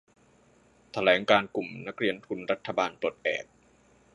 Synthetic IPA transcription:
t̪ʰa˧lɛː˩˦ŋkaː˧nku˨˩mna˦˥k̚ɾi˧ənt̪ʰu˧nɾa˦˥t̪ʰːa˧baː˧npo˨˩t̪̚ʔɛ̰ː˨˩p̚

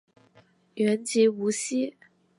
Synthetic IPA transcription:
ɥɛ˧˥nt͡ɕi˧˥u˧˥ɕi˥

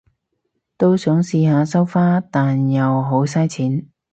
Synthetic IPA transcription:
t̪o˥wsœː˨˥ŋsiː˧haː˨˧sɐ˥wfaː˥t̪aː˨njɐ˨wɦo˨˥ws̬aː˥jt͡sʰiː˨˥n

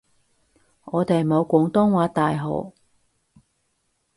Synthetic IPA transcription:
ŋɔː˨˧t̪e˨jmo˨˧wkʷɔː˨˥ŋt̪ɔː˥ŋwaː˨˥t̪aː˨jɦo̰˨˩w

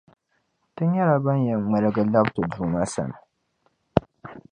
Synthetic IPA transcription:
tɨ˦ɲ˦ja˦ɾa˨ba˦n˦jɛ˨ŋ͡ma˨lɨ˦ɡa˦la˦btɨ˨d͡ʒuː˨na˦sa̰˨na˨

